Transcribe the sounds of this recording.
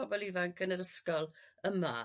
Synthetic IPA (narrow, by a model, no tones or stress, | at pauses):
ɔbɔlˠivaŋkʰənəɾəskɔlˠəma̰